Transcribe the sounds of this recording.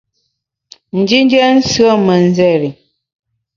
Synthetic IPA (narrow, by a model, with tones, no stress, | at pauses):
n̩˨d͡ʒi˦n˦d͡ʒɛ˦n̩˦sɰə˦mə˨n̩˦zɛ˦˨ɾi˨